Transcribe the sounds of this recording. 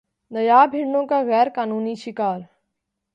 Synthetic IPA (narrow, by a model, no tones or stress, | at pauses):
nɐjaːbʱɪɽɳõkaɣɛːɾkaːnuːniʃɪkaːɾ